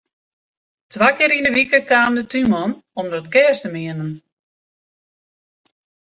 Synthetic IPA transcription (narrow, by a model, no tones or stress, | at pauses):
tʰʋaːkɪɾindəʋikəkaːndətymɔnɔmdɔtkɛːstəmɪənən